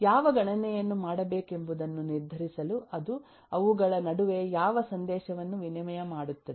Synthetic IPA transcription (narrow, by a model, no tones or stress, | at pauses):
jaːʋɐɡɐɳɐnɛjɐnːumaːɽɐbe̞ːke̞mbud̪ɐnːuniɾd̪ʱɐɾisɐluɐd̪u | ɐʋuɡɐɭɐnɐɽuʋe̞jaːʋɐsɐnd̪ɛːʃɐʋɐnːuʋinɐmɐjɐmaːɽut̪ːɐ